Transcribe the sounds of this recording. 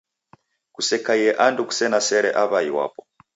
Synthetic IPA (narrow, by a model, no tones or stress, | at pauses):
kusɛkajɛʔanduku̥sɛnasɛɾɛʔaβaiwa̰pɔ